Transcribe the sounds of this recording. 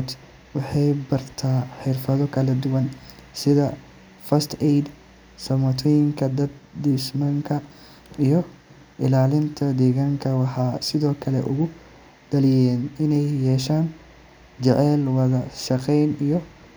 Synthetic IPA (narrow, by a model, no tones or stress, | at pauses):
d̪ | wɑħɑjbɐrt̪ʰaːħɪrfɐðɔkʰɐlɐd̪ʊwɐnsɪðɐ | fɐst̪ʰɛjd̪ | sɐmɔt̪ʰɔjɪŋkʰɐd̪ɐd̪d̪ismɐŋkʰɐ | ijɔ | ʔɪlaːlɪnt̪ʰɐd̪ɛːɣaːŋkʰɐwɑħɑːsɪðɔːkʰɐlɛ̰ʔʊɣʊ | d̪̥ɐlɪjɛːnɪnɛjːɛːʃaːn | t͡ʃɛʕɛːlwɐðɐʃɑqɛjnijɔ